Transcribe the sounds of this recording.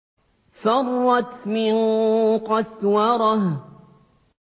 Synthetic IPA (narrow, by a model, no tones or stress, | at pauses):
fɑrˤːɑt̪mɪnqɑswɑɾˤɑh